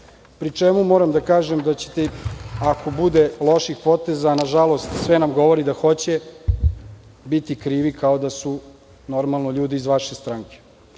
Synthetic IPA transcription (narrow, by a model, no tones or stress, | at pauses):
pɾit͡ʂemumo̞ːɾamd̪akaːʒemd̪at͡ɕe̥t̪eako̞bud̪elˠo̞ʃixpo̞t̪ezaːnaʒalˠo̞st̪sʋenamɡo̞ʋo̞ɾid̪axo̞t͡ɕe̞ | bit̪ikɾiːʋikʰaod̪asu | no̞ɾmalˠnoʎuːd̪iizʋaʃest̪ɾaːŋke̥